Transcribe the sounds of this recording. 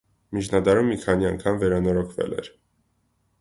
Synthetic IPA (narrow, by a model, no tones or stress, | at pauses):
mit͡ʃʰnɑd̪ɑɾumːikʰɑniɑŋkʰɑmvɛɾɑnɔɾɔkʰvɛ̰lɛ̰ɾ